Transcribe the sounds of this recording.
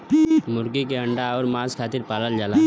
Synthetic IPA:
mʊɾkikeəɳɖaɔːɾmaːzkʰaːt̪ɪɾpaːləld͡ʒaːla

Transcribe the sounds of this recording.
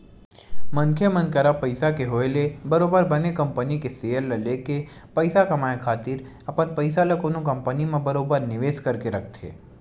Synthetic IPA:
mɐ̃ŋkʰjəmə̃nkəɾapɐɪsakeɦoːelebɐɾoːbəɾbɐnekɐ̃mpənikeseəlːɐleːke | pɐɪsakɐmaːekʰaːt̪ɪɾ | ɐpənpəɪsalɐkonũkɐ̃mpənimẽbɐɾoːbəɾnɪʋeːʃkɐɾkeɾɐkʰt̪ʰḛː

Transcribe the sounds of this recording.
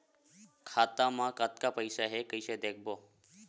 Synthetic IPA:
kʰaːt̪amãkat̪kapəɪsaɦekəɪsed̪ek̚ʰbo

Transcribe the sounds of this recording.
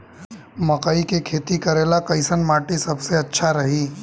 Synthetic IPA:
mɐkaikekʰeːt̪ikɐɾeːlakɐɪsənmaːʈisɐbseɐtːʃʰaɾɐɦiː

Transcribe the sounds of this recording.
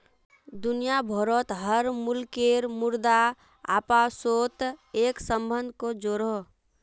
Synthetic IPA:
d̪unijabʱɔɾət̪ɦəɾmulkeɾmʊɾd̪a | a̰ːpasot̪eksəmbənd̪ʱkod͡ʒoɾo

